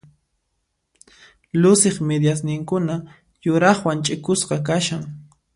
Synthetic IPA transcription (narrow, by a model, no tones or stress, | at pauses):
lʊsɪχmed̪jas̬nɪŋkʊna | jʊɾɑχwant͡ʃʼɪkʊsqɑk̬aʃaŋ